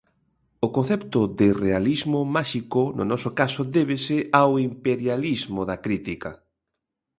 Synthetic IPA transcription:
ʊkonθɛpt̪ʊðɪrealizmomaʃikonʊ̰nɔsokasoðeβ̞esɪʔawimpeɾjalizmoðɐkɾit̪ikɐ

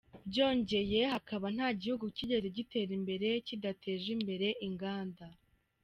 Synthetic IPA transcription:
bɟo̞ːɲɟe̞je̞hakaβan̥haːɟihuɡuciɟeɾiɟite̞ɾimbe̞ɾe̞cidatʰe̞ːʒimbe̞ɾe̞ʔiŋɡaːnda

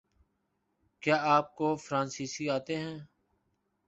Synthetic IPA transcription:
kjaːaːp̚koːfɾãːnsiːsiːaːt̪eɦɛ̃ː

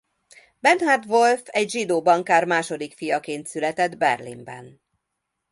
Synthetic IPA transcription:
bɛnhad̪ʋo̞lfɛɟʒid̪oːbɒŋkaːrmaːʃo̞d̪ikfijɒkeːnt̪sylɛt̪ɛd̪bɛrlḭmbɛ̰n

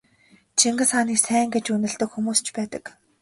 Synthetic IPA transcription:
t͡ɕʰiŋɡɘ̆sχaniːksæːŋɡet͡ɕunɘ̆ɮt̪ɵ̆kxumuːst͡ɕʰpæːt̪ə̆k

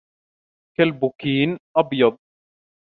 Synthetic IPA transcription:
kalbʊkiːnʔɑbjɑd̪̚ˤ

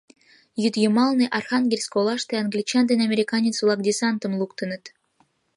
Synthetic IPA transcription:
jyt̪jəmɑlniʔɑrxɑŋɡʲelʲskolˠɑʃt̪eɑŋɡlʲit͡ɕɑnd̪enʲɑmʲeɾʲikɑnʲet͡svlˠɑkd̪ʲisɑnt̪ə̆mlˠukt̪ə̆nə̆t̪

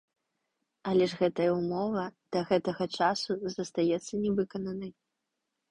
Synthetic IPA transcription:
ɐlʲɛʐɣɛt̪ɐjɐumɔvɐd̪̥ɐɣɛt̪ɐɣɐt͡ʂasuzɐst̪ajɛt̪sːɐnʲɛvɨkɐnɐnɐj

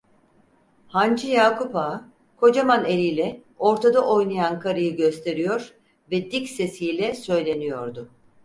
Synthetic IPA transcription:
hand͡ʒɯjaːkʰupaː | kʰo̞d͡ʒamanelʲijlʲɛ | o̞ɾt̪ʰad̪aʔo̞jnajankʰaɾɯjɯɟø̞st̪ʰe̞ɾijo̞ɾ | vɛd̪icse̞sijlʲɛsø̞jlʲe̞nijo̞ɾd̪ʊ

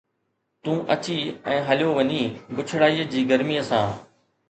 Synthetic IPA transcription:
t̪ũːʔɐt͡ɕiɛ̃ːɦɐljoʋɐɲiːbʊt͡ɕʰɽaːiːəd͡ʑiːɡəɾmiːəsãː

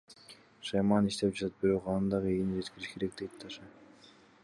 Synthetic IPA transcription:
ʃɑjmɑniʃt̪e̞p̚d͡ʒɑt̪ʰɑt̪̚biɾo̞qɑnd̪ɑʁɯejnd͡ʒe̞t̪kʲiɾiʃkʰe̞ɾe̞k̚d̪ej̪t̪ʰɑʃɑ

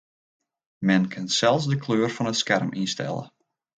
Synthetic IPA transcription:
mɛnkʰɪnsɛlˠfsdəkʰløːrfɔnətskɛrminstɛ̰lə̰

